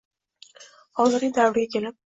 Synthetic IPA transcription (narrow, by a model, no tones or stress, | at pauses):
hɒzɪɾɡʲɪd̪avɾɪɡʲakʲʰe̞lɪp̚